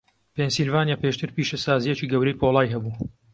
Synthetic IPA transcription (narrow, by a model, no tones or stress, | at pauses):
pensilvaːnjaːpeʃt̪ɨɾpiːʃɐsaːzijet͡ʃiːɡɐwɾɐjpʰoːlˠaːjɦɐbuː